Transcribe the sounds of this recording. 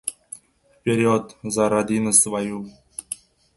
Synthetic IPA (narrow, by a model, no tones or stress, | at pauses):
pʲeɾʲiot̪zɑɾɑd̪ʲinɤ̆svɑju